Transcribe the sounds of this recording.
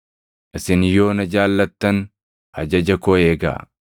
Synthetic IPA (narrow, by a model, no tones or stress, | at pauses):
ʔɪsɪnjo̞ːnɐd͡ʒaːlːɐt̪ːɐn | hɐd͡ʒɐd͡ʒɐkɔeːɡa̰ː